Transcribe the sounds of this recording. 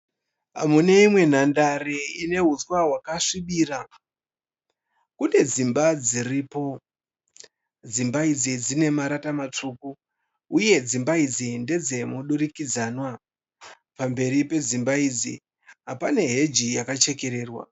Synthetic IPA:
ɦa̰mune̞imwe̞n̤andaɾeine̞ɦut͡swaɦwakaʂiɓiːra | kune̞d͡zimbad͡ziriːpo̞ | d͡zimbaid͡zid͡zine̞maɾatamat͡ʂuku | uje̞d͡zimbaid͡zinde̞d͡ze̞muɗurikid͡zaːnwa | pambe̞ɾipe̞zimbaid͡zi | ɦapane̞ɦe̞d͡ʒijakat͡ʃe̞ke̞ɾe̞ːrwa̰

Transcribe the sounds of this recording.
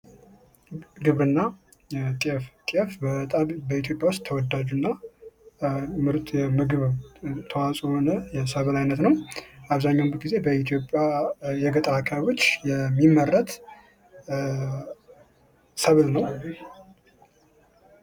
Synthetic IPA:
ɡɨβɾɨnːa | t̪ʼiɛft̪ʼiɛfbət̪ʼabəit̪ʰjo̞pʼjawʊst̪t̪ʰːəwɔd̪ːad͡ʒunːa | mɨɾt̪ʼjɛmɨɡɨβt̪ʰəwasʼohonəjɛsəβlajnət̪nəwʔaβzaɲːawnbət̪ɡize̞bəit̪ʰjo̞pʼːjajɛɡət̪ʼəakʰaββo̞t͡ʃːjɛmːimːərːət̪ | səβlnəw

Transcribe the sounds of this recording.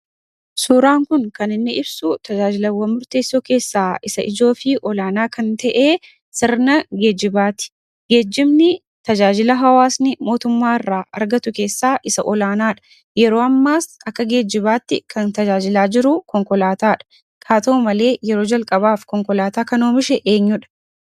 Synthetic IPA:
suːɾaːŋkʊŋkɐnɪnːɪʔɪbsʊt̪ɐd͡ʒaːd͡ʒɪlɐwɐmʊɾt̪e̞ːsːo̞ːke̞ːsːaːʔɪsɐʔɪd͡ʒo̞ːfɪʔɔlaːnaːkɐnt̪ɐʔeː | sɪɾnɐɡe̞ːd͡ʒɪbaːt̪ɪ̥ | ɡe̞ːd͡ʒːɪmnɪ | t̪ɐd͡ʒaːd͡ʒɪlɐɦɐwaːsnɪmo̞ːt̪ʊmːaːɪrːaːʔɐ̰ɾɡɐt̪ʊke̞ːsːaːʔɪsɐʔɔlaːnaːᶑɐ̥ | jɛɾo̞ːɐmːaːsɐkːɐɡe̞ːd͡ʒːɪbaːt̪ːɪ̰kʰɐnt̪ɐd͡ʒaːd͡ʒɪlaːd͡ʒɪɾʊkɔŋkɔlaːt̪aːᶑɐ̥ | kʰaːt̪ɐumɐle̞ːjɛɾo̞ːd͡ʒɐlkʼɐbaːfkɔŋkɔlaːt̪aːkɐno̞ːmɪʃɛʔe̞ːɲːʊᶑɐ̥

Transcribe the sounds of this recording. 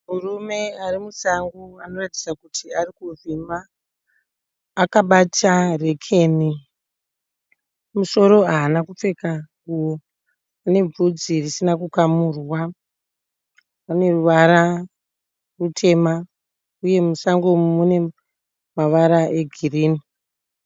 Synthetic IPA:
murume̞arimusaŋɡuano̞rati̥d͡zakutʰiarikuvima | kaɓatare̞kʰe̞ːni | muso̞ɾo̞aːnakup͡fe̞kaɡuwo | ane̞b͡vud͡zirisinakukamurwa | pane̞ruʋaɾa | rutʰe̞ma | uje̞musaŋɡomune̞ | maʋaɾaʔe̞ɡʱiriːni

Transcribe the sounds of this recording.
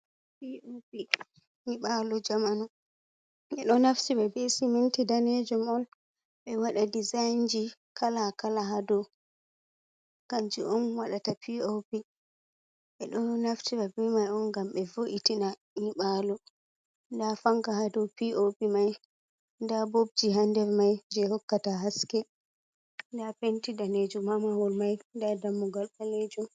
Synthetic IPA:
piopi | niɓalɔd͡ʒamanɔ | ɛɗɔnaftiɓɛbesimintidaned͡ʒɔmɔn | ɓɛwaɗadizajnd͡ʒikʰalakalaɦadɔ | ɡ̥and͡ʒḭʔɔnwaɗatapiopi | ɓɛɗɔnaftiɾabɛmajɔnɡamɓɛvoʔitina | niɓalɔ | ndafaŋkahadɔpiʔopimaj | ndabob̚d͡ʒiɦandɛɾmajd͡ʒɛhɔkːataɦaskɛ | ndapentidaned͡ʒumamawɔlmajndadamːuɡalɓaled͡ʒum

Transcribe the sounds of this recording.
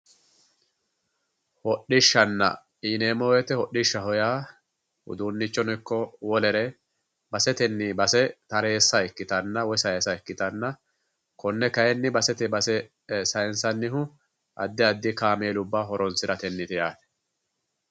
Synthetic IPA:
hɔɗɪʃːɐnːɐ̰ | ineːmɔwɛt̪ɛhɔɗɪʃːɐɦɔjaː | hʊ̰d̪uːnːɪt͡ʃːɔnɛkːɔwɔlɛɾɛ | bɐsɛt̪ɛnːɪbɐsɛt̪ɐɾe̞ːsːɐɛkːɪt̪ɐnːɐwɔjsɐjeːsɐɛkːɪt̪ɐnːɐ | kɔnːɛkɐjɛnːɪbɐsɛt̪ɛbɐsɛ | sɐjɛnsɐnːɪɦʊ | ʔɐ̰d̪ːɪɐd̪ːɪkaːmeːlʊbːaːɦɔɾɔnsɪɾɐt̪ɛnːɪt̪ɪjaːt̪ɛ̥

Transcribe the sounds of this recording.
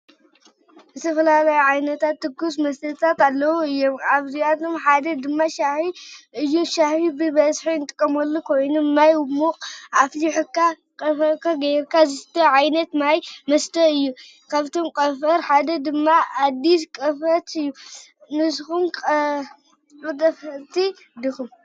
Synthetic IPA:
bɨt̪ʰɐfɐlalajuʕajnɐt̪ʰat̪ːɨɡus̬mɐst̪ʰɐt̪ʰat̪alːɐwuɨjːomaβzijat̪omħad̪ɐd̪ɨmːaʃahiɨjːuʃahibɨβɐzħiɨnt̪ʼɨkʼːɐmɐlːukʰo̞jnumajwmukʼʔafliħukːa | kʼɐfɐɾkaɡɐjɾkʰazɨst̪ʰoʕajnɐt̪majmɐst̪ʰɐɨjːu | kʰaβt̪ʰomkʼɐfɐɾħad̪ɐd̪ɨmːaːd̪ːiskʼɐfɐt̪ʰɨjːunɨsxumkʼ | ɨt̪ʼɐfɐɾt̪ʰi | d̪ixum

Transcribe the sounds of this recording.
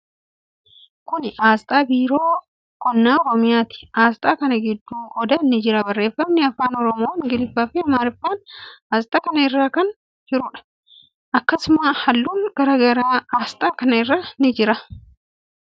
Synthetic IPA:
kʊnʔaːst̪ʼaːbiːɾo̞ː | kɔnːaːɔɾɔmɪjaːt̪ɪ̥aːst̪ʼaːkɐnɐɡɪd̪ːuːʔɔd̪ɐnɪd͡ʒɪɾɐbɐrːe̞ːfːɐmnɪɐfaːnɔɾɔmoːŋɡɪlɪfːaːfɪɐmaːɾɪfːaːnaːst̪ʼaːkɐnɐɪrːaːkɐn | d͡ʒɪɾʊːᶑɐ̥ | ʔɐkːɐsʊmahɐlːuːŋɡ̥ɐɾaːɡɐɾaːaːst̪ʼaːkɐnɐɪrːaːnɪd͡ʒɪɾɐ

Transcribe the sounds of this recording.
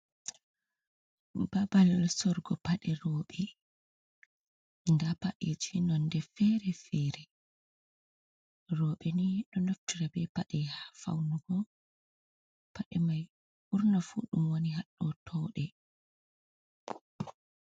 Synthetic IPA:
babalsɔɾɡɔpaɗɛɾɔːɓɛ | ndapaɗed͡ʒinɔndɛfɛɾɛfɛɾɛ | rɔːɓɛniɗɔnotːuɾabɛpaɗɛhafa̰wnuɡɔ | paɗɛmaj | ʔuɾnafṵːɗumwoniɦaɗːɔtʰɔːɗɛ

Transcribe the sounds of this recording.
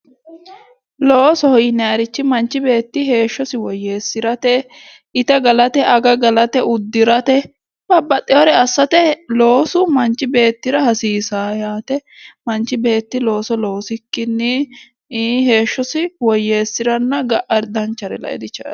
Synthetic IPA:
loːsɔhɔjɪnːɛɐɾɪt͡ʃːɪmɐnt͡ʃːɪbe̞ːt̪ːɪɦe̞ːʃːɔsɪwɔjːe̞ːsːɪɾɐt̪ɛ | ɪt̪ɐɡɐlɐt̪ɛʔɐɡɐɡɐlɐt̪ɛʊd̪ːɪɾɐt̪ɛ | b̥ɐbːɐt̪ʼːɛɔɾɛɐsːɐt̪ɛlo̞ːsʊmɐnt͡ʃːɪbe̞ːt̪ːɪɾɐhɐsiːsaːjaːt̪ɛmɐnt͡ʃːɪbe̞ːt̪ːɪlo̞ːsɔloːsɪkːɪnːɪ | ɦe̞ːʃːɔsɪwɔjːe̞ːsːɪɾɐnːɐɡɐʔɐɾd̪ɐnt͡ʃːɐɾɛ̰lɐ̰ɛ̰d̪ɪt͡ʃːɐ

